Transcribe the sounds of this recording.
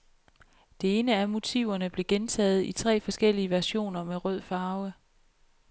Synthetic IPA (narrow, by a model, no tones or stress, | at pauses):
d̥e̝e̝ːnəæɐmo̝t͡sʰḭʊ̰ɐnəb̥le̝ɡ̥ent͡sʰɛ̰ːð̞̩ˠit͡sʰʁɛ̰ːfɒ̽sɡ̥el̰iəʋæɐɕo̝̰ːnɐmeʁœð̞̰ˠfɑ̈ːʊə